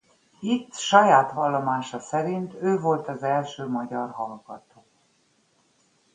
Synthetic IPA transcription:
it̪ːʃɒjaːt̪ʋɒlːomaːʃɒsɛɾint̪øːvo̞lt̪ɒzɛlʃøːmɒɟɒrɦɒlɡɒt̪oː

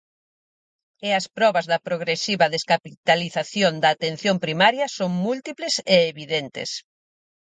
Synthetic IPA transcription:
eɐspɾɔβɐzðɐpɾoɣɾesiβɐðeskapit̪aliθaθjond̪ɐːt̪en̟θjompɾimaɾjɐsoŋmult̪ipleseːβiðent̪ɪ̰s

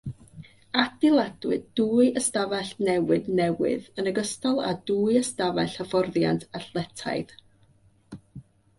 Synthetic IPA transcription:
ad̥ɪlˠadwɨdduːɨəstavɛɬnɛwɨdnɛwɨ̰ðənəɡəstɔlˠa̰duːɨəstavaɬafɔrðja̰ntʰaɬlˠɛtʰa̰jð̥

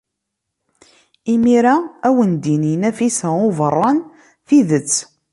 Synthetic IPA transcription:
imiɾæːwənd̪ininæfisæovərˤːɑn | θiðət͡sː

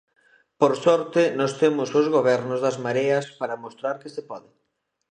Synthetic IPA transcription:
poɾsɔɾt̪ɪnɔst̪emʊsʊzɣoβ̞ɛɾnʊzðɐzmaɾeɐspaɾɐmost̪ɾaɾkɪsɪpɔðɪ

